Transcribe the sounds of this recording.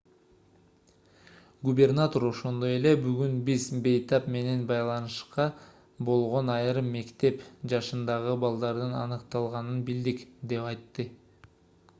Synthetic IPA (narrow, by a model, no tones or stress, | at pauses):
ɡubʲe̞rnat̪o̞ɾo̞ʃo̞nd̪o̞je̞le̞byɡynbizbe̞jt̪ɑpme̞ne̞nbɑjlˠɑnɯʃqɑ | bo̞lˠʁo̞nɑjɾɯmːe̞kt̪e̞pd͡ʒɑʃɯnd̪ɑʁɯbɑlˠd̪ɑɾd̪ɯnɑ̰nɯqt̪ɑlˠʁɑnɯnbild̪ikd̪e̞pɑjt̪ːɯ